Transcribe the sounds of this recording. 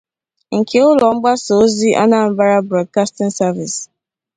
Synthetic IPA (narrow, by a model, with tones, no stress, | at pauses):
ŋ̩˨kʰe˨ʊ˦lɔ˨ŋ͡m̩˦ɡ͡ba˦so˨˦zi˦ʔa̰˦na˦˨m̩˦ba˦ɾa˦bɾɔ˨d̚ka˦stɪ˦n̩˦sa˦vi˨s